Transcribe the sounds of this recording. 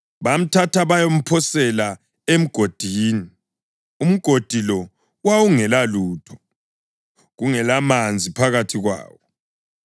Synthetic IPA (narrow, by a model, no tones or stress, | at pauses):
βam̩tʰatʰaβajom̩pʰɔsɛla | em̩ɡ̥ʱod̥ʱiːni | um̩ɡ̥ʱod̥ʱilɔ | wawuŋɛlaluːtʰɔ̥ | ɣuŋɛlamand͡zʱipʰaɣatʰiɣwa̰ːwɔ